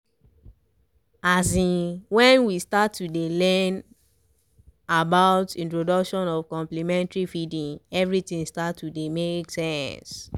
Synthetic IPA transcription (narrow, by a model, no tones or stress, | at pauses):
azĩnwɛ̃nwistatːudelɛn | abaʊtĩntɹodɔkʃɔ̃nɔvkɔ̃mplimɛ̃ntɹifidĩŋɛvɹitĩŋstatːudemeksɛ̃ns